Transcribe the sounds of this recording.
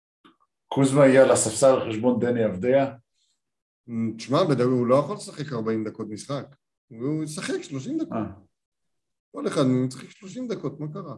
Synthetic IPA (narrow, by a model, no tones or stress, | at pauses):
kuzmaijalasafsaleχeʃbo̞nd̪eniavd̪ea | ʃmabed̪aulojaχolesaχekaʁbaimd̪ako̞t̪̚misχak | jsaχekʃloʃ̬imd̪aka | ko̞leχad̪isḁχekʃloʃimd̪ako̞t̪̚makaʁa